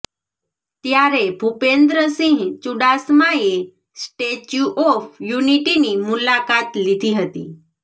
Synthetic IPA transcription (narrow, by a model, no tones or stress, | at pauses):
t̪jaɾebʱupend̪ɾəsĩŋɡt͡ʃuɽasmaje | sʈet͡ɕuʔɔfjuniʈinimulakat̪lit̪ʰiɦət̪ḭː